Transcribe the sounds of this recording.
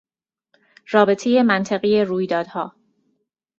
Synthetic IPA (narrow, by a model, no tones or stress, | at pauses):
rɒːbe̞t̪ʰe̞je̞mænt̪ʰeɣije̞ruːjd̪ɒːd̪̥hɒː